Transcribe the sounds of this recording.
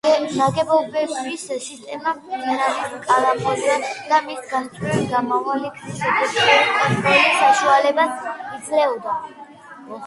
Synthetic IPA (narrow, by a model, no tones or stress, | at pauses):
zaɡɛbɔbɛissist̪ʼɛmamiɾaniskʼaɾapʰɔd̪wɛd̪̥amisɡast͡ʃʼɛiɡamavalikʰʃɛd̪aʃɛɛɛɔlisaʃualɛbasid̪zlɛɔd̪a